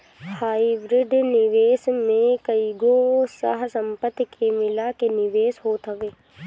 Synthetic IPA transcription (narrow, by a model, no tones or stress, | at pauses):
haːibɾɪɖnɪʋeːsmẽkəiɡosə̰ɦsə̃mpət̪ːkʰemɪlakenɪʋeːsɦoːt̪ɦəʋeː